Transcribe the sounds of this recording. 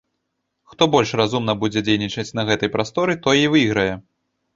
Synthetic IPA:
xt̪ɔbɔlʲʂrazumnɐbud͡zʲɛd͡zʲejnʲit͡ʂɐt͡sʲnɐɣɛt̪ɐjpɾast̪ɔɾɨt̪ɔjivɨɣɾɐjɛ

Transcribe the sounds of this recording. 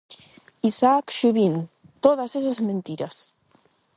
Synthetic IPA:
isakʃuβin | t̪oðasesazmẽnt̪iɾas

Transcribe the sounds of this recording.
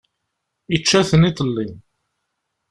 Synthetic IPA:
it͡ʃːæθənit̪ˤlːin

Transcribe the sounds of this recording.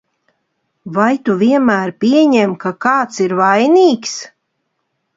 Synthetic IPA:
vajt̪uviɛnmæːɾpʲiɛɲemkakɑːt̪siɾvajniːks

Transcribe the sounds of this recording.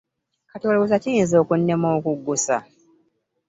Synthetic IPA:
katoːlowus̬acijinzo̞ːkunːemoːkuɡːusa̰

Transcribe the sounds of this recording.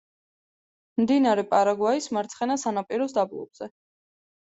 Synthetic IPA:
md̪inaɾɛpʼaɾaɡwaismaɾt̪sʰχɛnasanapʼiɾɔs̬d̪ablˠɔ̰b̥z̥ɛ

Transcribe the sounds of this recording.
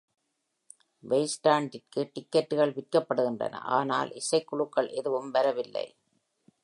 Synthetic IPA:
ʋɐɪsʈaːɳɖɪrkɯʈɪkːɐʈːɯɣɐɭʋɪrkɐpːɐɽɯɣɪndrɐ̰nɐ̰ʔa̰ːna̰ːlʔɪsɐɪkːʊɭɯkːɐɭʔɛðɯʋɯmʋɐɾɐʋɪlːɐ̰ɪ

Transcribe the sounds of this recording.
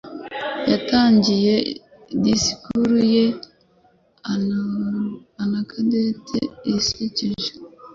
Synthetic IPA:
jataːɲɟije | disi̥kuɾuje | anakʰadetʰḛisiciʒo̥

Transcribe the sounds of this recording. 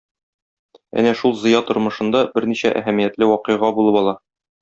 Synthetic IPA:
æ̰næʃulˠzɤ̆jɑt̪ŏɾmɤ̆ʃɤ̆nd̪ɑbɘɾniɕæʔæ̰ɦæmijæt̪lɘwɒqɤ̆jʁɑbulˠɤpɒlˠɑ

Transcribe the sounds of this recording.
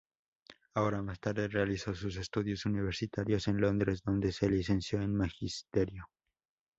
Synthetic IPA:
ao̞ɾamast̪aɾðerealiso̞sus̬e̞st̪uðjo̞suniβ̞e̞ɾsit̪aɾjo̞se̞nlo̞nd̪ɾe̞zðo̞nd̪e̞se̞lis̬e̞nsjo̞enmaxist̪e̞ɾjo̞

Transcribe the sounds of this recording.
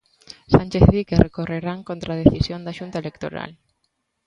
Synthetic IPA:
sanʲt͡ʃeθβikerekoreɾaŋkont̪ɾað̞eθisjõnd̪aʃunt̪aelekt̪o̰ɾa̰l

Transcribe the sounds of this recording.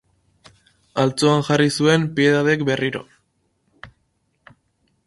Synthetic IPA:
alt͡soaŋxarisue̞mpieðaðe̞kbe̞rʔiɾo̞̰

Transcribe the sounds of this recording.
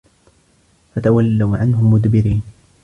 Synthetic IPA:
fat̪awalːawʕanɦʊmːʊd̪bɪɾiːn

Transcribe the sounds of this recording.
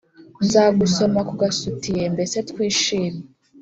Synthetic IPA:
nzaːɡuso̞makuɡasutije̞mbe̞se̞tkwiːʃiːme

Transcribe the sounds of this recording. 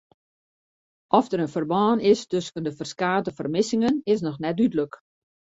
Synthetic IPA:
ʔɔfdəɾənfərbɑːnɪstøskəndəfərskaːtəfərmɪsɪŋənɪs̬nɔxnɛt̚dydlək

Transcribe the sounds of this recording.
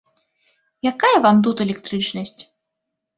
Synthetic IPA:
jakajɐvamt̪̬ut̪ɛlʲɛkt̪ɾɨt͡ʂnɐsʲt͡sʲ

